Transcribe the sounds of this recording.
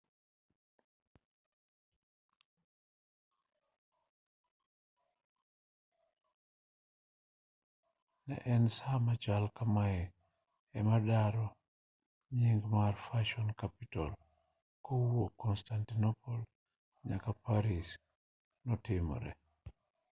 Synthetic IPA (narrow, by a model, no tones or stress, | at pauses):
na̰ʔɛnsamat͡ʃalkamajɛ | ɛmadaɾɔ | ɲiŋɡmaɾfaʃɔnkapita̰l | kowokɔnstantinopol | ɲakapaɾis | nɔtimo̰ɾɛ̰